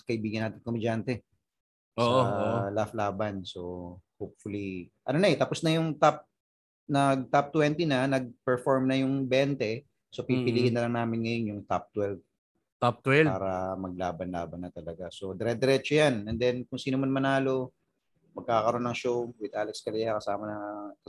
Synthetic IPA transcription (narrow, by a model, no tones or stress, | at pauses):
kɐʔɪbiːɡɐnːaːt̪ɪnkomɛd͡ʒant̪ɛ | ʔsoʔoɐlaflaːbɐnso̞hop̚fʊliʔɐ̰nonɐɛt̪ɐpo̞snɐjʊŋt̪ap̚ | nɐɡ̚t̪ap̚t̪wɛnt̪inɐnɐɡ̚pɛɹfoɹmnɐjʊŋbɛnt̪ɛ | sopipɪliːɡɪnːɐlɐŋnaːmɪnŋɐjo̞njʊŋt̪ap̚t̪wɛlv | t̪ap̚t̪wɛaːɾɐmɐɡ̚laːbɐnla̰ːbɐnːɐt̪ɐlɐɡaso̞d̪ɛɾɛd̪ɛɾɛt͡ʃojanɛnd̪ɛnkʊŋsiːnʊmɐnmɐnaːlo̞ | mɐɡ̚kːaːkɐɾo̞nːɐŋʃowwɪd̪̚ʔaːlɛkskɐlɪjakɐsaːmɐnɐ